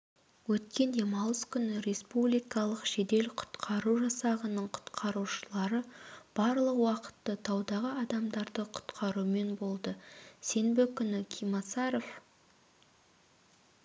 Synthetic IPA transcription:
wɵt̪kʲe̞nd̪e̞mɑwəskʲʏnɪɾe̞spublijkɑlˠəqʃe̞d̪e̞lqʰʊ̥t̪qʰɑɾuʒɑsɑʁənəɴqʰʊ̥t̪qʰɑɾuʃəlˠɑɾəb̥ɑɾlˠəqwɑqə̥t̪ːət̪ʰɑwd̪ɑʁəɑd̪ɑmd̪ɑɾd̪əqʰʊ̥t̪qʰɑɾume̞nbo̞lˠd̪əse̞nbɪkʲʰʏnɪkʲʰijmɑsɑɾo̞f

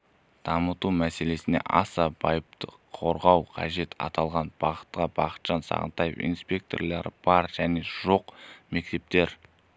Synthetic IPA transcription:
d̪̥ɑmət̪umæse̞le̞sɪne̞̰ʔɑsɑb̥ɑjəp̚t̪ə | qʰo̞ɾʁɑwqʰɑ̰ʒe̞t̪ɑ̰t̪ɑlˠʁɑnb̥ɑqə̥t̪qɑb̥ɑqə̥t̪ʒ̥ɑnsɑ̰ʁə̰nt̪ɑjḛfḭnspʲe̞k̚t̪orlˠɑɾəb̥ɑɾʒ̥æne̞ʒo̞qme̞k̚t̪e̞p̚t̪e̞ɾ

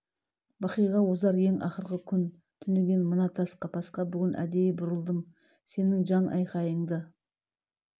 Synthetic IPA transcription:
bɑqəjʁɑwo̞zɑɾje̞ŋɑ̰χəɾʁəkʲʰʏn | t̪ʰʏnd̪eɡʲe̞nmənɑt̪ʰɑsqɑpʰɑsqɑbʏɡʲɪnʔæ̰d̪e̞jɪbʊɾəlˠd̪əm | se̞nɪŋʒɑnʔɑ̰jqɑjəɴd̪ə

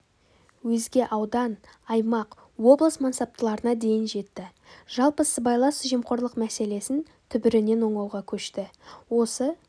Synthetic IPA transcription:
wɵzɡʲe̞ʔɑwd̪ɑn | ɑjmɑq | wo̞blˠəsmɑnsɑp̚t̪əlˠɑɾənɑd̪e̞jɪnʒe̞t̪ːɪ | ʒ̥ɑlˠpəsəbɑjlˠɑsʒijmqo̞ɾlˠəqmæse̞le̞sɪn | t̪ʰʏbɪɾɪne̞nwo̞ɴɑwʁɑkʲʰɵʃt̪ɪwo̞sə

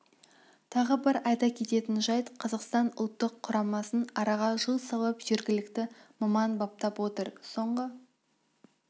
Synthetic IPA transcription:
t̪ʰɑʁəbɪɾɑjt̪ɑkʲʰe̞t̪e̞t̪ɪnʒɑjt̪qʰɑzɑqst̪ɑnʊlˠt̪ːəqʰːʊɾɑmɑsənɑɾɑʁɑʒəlˠsɑlˠɑpʒ̥e̞ɾɡʲɪlɪkt̪ɪmɑmɑnbɑp̚t̪ɑpwo̞t̪əɾso̞ɴʁə

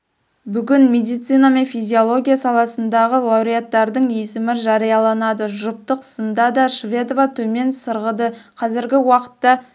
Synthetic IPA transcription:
bʏɡʲɪnme̞d̪ijt̪sijnɑme̞nfijzʲio̞lˠo̞ɡʲijasɑlˠɑsənd̪ɑʁəlˠɑwɾijat̪ːɑɾd̪əɴjesɪmɪʒɑɾijɑlˠɑnɑd̪əʒʊp̚t̪əqsənd̪ɑd̪ɑʃvʲe̞d̪ovat̪ʰɵme̞nsəɾʁəd̪əqʰɑzɪɾɡʲɪwɑqə̥t̪ːɑ

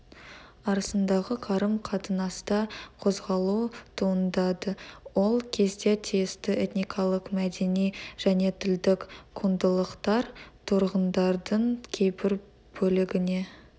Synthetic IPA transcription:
ɑɾəsənd̪ɑʁəqʰɑɾəmqʰɑt̪ənɑst̪ɑqʰo̞zʁɑlˠut̪ʰuənd̪ɑd̪əwo̞lˠkʲʰe̞zd̪e̞t̪ʰijɪst̪ɪʔet̪nijkʰɑlˠəqmæd̪e̞nijʒ̥æne̞t̪ʰɪld̪ɪkkʰund̪əlˠəqt̪ɑɾt̪ʰʊɾʁənd̪ɑɾd̪əɴkʲʰe̞jpɪɾ | bɵlɪɡʲɪne̞

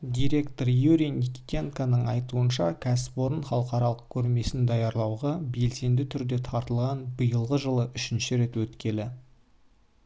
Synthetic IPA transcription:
d̪ʲijɾe̞kt̪o̞ɾjuɾʲijnikʲi̥t̪ʲeŋkanəɴɑjt̪uənʃɑkʲʰæsɪ̥po̞ɾənχɑlˠəqɑɾɑlˠəq̚kʲʰɵɾme̞sɪnd̪ɑjɑɾlˠɑwʁɑbe̞lse̞nd̪ɪt̪ʰʏɾd̪e̞t̪ʰɑɾt̪əlˠʁɑnbəjəlˠʁəʒəlˠəʔʏʃɪnʃɪɾe̞t̪wɵt̪kʲe̞lɪ

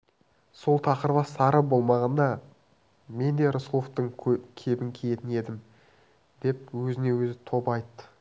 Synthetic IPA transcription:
so̞lˠt̪ʰɑqəɾəβɑsɑɾəbo̞lˠmɑʁɑnd̪ɑ | me̞nd̪e̞ɾʊslˠoft̪əɴkʲʰe̞bɪŋkʲʰeet̪ɪne̞d̪ɪm | d̪e̞p̚wɵzɪne̞wɵzɪt̪ʰo̞pɑjt̪ːə̥

